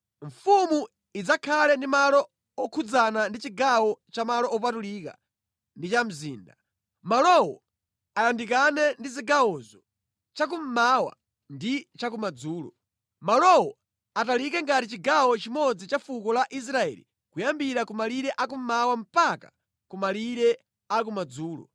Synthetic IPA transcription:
ɱ̩fumu | id͡zakʰalɛndimalɔ | ɔkʰud͡zanandit͡ʃiɡawɔt͡ʃamalɔʔːp̬atuliːka̰ | ndit͡ʃam̩zḭːnda | malɔwɔ̰ | alandikanɛndiziɡawɔzɔ | t͡ʃak̬um̩mawa̰ | ndit͡ʃak̬umad͡zuːlɔ̰ | malɔwɔ | atalikɛŋɡatit͡ʃiɡawɔt͡ʃimɔd͡zit͡ʃafukɔlaʔis̬ɾaɛ̰ːlḭ | kujambiɾakumaliɾɛʔakum̩mawam̩paka̰ | kumaliɾɛ | akumad͡zuːlɔ̰

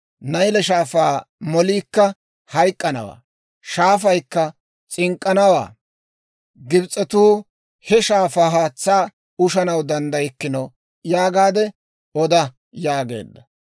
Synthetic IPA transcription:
nɐjlɛʃaːfaːmɔliːkːɐ | hɐjkʼːɐnɐ̰wa̰ː | ʃaːf̬ɐjkːɐ | t͡sʼɪŋkʼːɐnɐwa̰ː | ɡɪbt͡sʼːɛt̪uː | hɛʃaːfaːɦaːt͡sːaː | ʊʃɐnɐwd̪ɐnd̪ɐjɪkːɪnɐ | jaːɡaːd̪ɛ | ɔd̪ɐ | jaːɡḛːd̪ːɐ

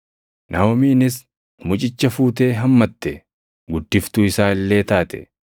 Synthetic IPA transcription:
nʔɐɔmiːnɪs | mʊt͡ʃʼɪt͡ʃːɐfuːt̪̬e̞ːɦɐmːɐt̪ːɛ | ɡʊd̪ːɪft̪ʊɪsaːɪlːe̞ːt̪aːt̪ɛ̥

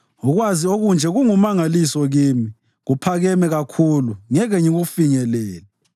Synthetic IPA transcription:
uɣwazioɣund͡ʒʱɛɣuŋumaŋalisɔɣimi | ɣupʰaɣɛmɛɣakʰuluŋɛɣɛɲiɣufiŋɛlɛːlɛ

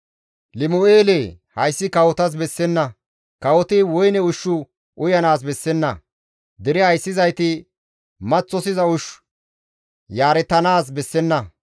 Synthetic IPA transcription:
lɪmoeːle | hɐjsːɪkɐwɔt̪ɐs̬bɛsːɛnːɐ | kɐwɔt̪ɪwɔjnɛʊʃːʊ | ʔʊjɐnaːs̬bɛsːɛnːɐ | d̪ɛɾɪhɐjsːɪzɐjt̪ɪ | mɐt͡sːɔsɪzɐʊʃ | jaːɾɛt̪ːɐnaːs̬bɛsːɛnːɐ

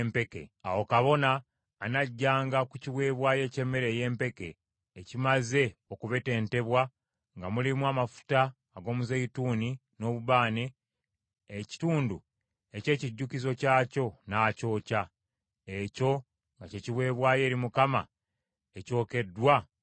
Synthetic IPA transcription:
mpe̞kḛawo̞kaβo̞naː | naɟːaːŋɡakuciβwe̞ːβwaːje̞ːce̞mːe̞ɾe̞ːje̞ːmpe̞ke̞ː | cimaze̞o̞kuβe̞te̞ːnte̞βwa | ŋɡamulimwaːmafu̥taː | ɡo̞ːmuzeituːni | no̞ːβuβaːneː | ci̥tuːndu | e̞ce̞ːciɟːukizo̞caːco̞naːco̞ːca | eco̞ | ŋɡaceciβwe̞ːβwaːje̞ːɾimukama̰ | eco̞ːke̞dwa

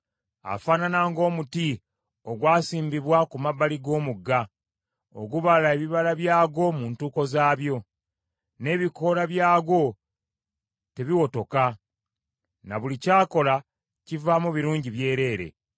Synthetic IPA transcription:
a̰faːnanaːŋɡo̞ːmuti | o̞ɡwaːsiːmbiβwakumabːaliɡo̞ːmuɡːa | o̞̰ɡuβalae̞βiβalaβjaːɡo̞muntuːko̞zaːβjo̞ | ne̞ːβiko̞ɾaβjaːɡo̞ | te̞βiwoto̞ka | na̰βulicaːko̞la | civaːmuβiɾuːɲɟiβje̞ːɾe̞ːɾe̞̰

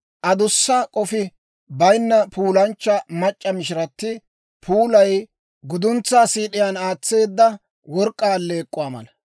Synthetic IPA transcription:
ʔɐd̪ʊsːɐkʼɔfɪ | bɐjnːɐpʰuːlɐnt͡ʃːɐmɐt͡ʃʼːɐmɪʃɪɾɐt̪ːɪ | pʰuːlɐj | ɡʊd̪ʊnt͡sːaːsiːɗɪjanaːt͡sːe̞ːd̪ːɐ | wɔɾkʼːaːlːeːkʼːʊwaːmɐ̰lɐ

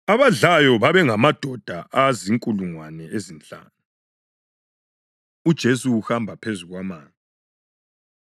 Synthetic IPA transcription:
aβaɮajɔβaβɛŋamad̥ʱɔd̥ʱaʔaziŋkʼuluŋwanɛezint͡ɬʼa̰ːnu | ud̥ʒ̥ʱesuuxambʱapʰezuɣwamaːna

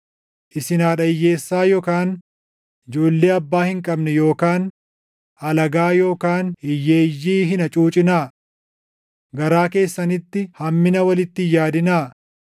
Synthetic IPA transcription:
ʔɪsɪnaːᶑɐɪjːe̞ːsːaːjoːkaːn | ɪd͡ʒo̞ːlːe̞ːɐbːaːhɪŋkʼɐbnɛjo̞ːkaːn | ɐlɐɡaːjo̞ːkaːnɪjːeːjːiːɦɪnɐt͡ʃʼuːt͡ʃʼɪnaː | ɡɐɾaːke̞ːsːɐnɪt̪ːɪhɐmːɪnɐwɐlɪt̪ːɪjaːd̪ɪnaː

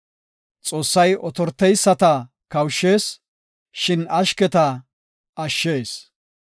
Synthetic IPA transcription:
t͡sʼo̞ːsːɐjɔt̪ɔɾt̪ːɛjsːɐt̪ɐ | kɐwʃːe̞ːs | ʃɪnɐʃkɛt̪ɐ | ɐʃːe̞ːs

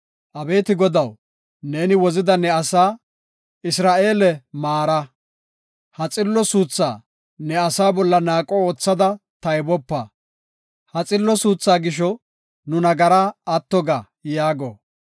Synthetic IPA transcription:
ʔɐbe̞ːt̪ɪɡɔd̪ɐw | ne̞ːnɪwɔzɪd̪ɐnɛɐsaː | ɪsɾaːʔe̞ːlɛmaːɾɐ | hɐt͡sʼɪlːɔsuːt͡sːa̰ː | nɛɐsaːbɔlːɐnaːkʼooːt͡sːɐd̪ɐt̪ɐjbɔpːɐ | hɐt͡sʼɪlːɔsuːt͡sːaːɡɪʃ̬ɔ | nʊnɐɡɐɾaɐt̪ːɔɡa | jaːɡɔ̰

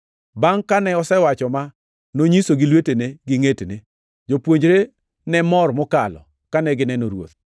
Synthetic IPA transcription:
baŋkanɛɔsɛwat͡ʃɔma | noɲisoɡɪlweteneɡɪŋetene | d͡ʒopwoɲd͡ʒɾe | nɛmɔrmɔkalɔ̰ | kanɛɡɪnɛnoɾwo̰t̪

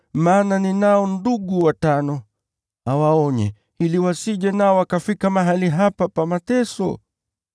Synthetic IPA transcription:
maːnaninaɔnduɠuwatanɔ | awaɔɲɛ̰ | iliwasiʄɛnaɔwakafikamaɦaliɦapapamatɛsɔ̰

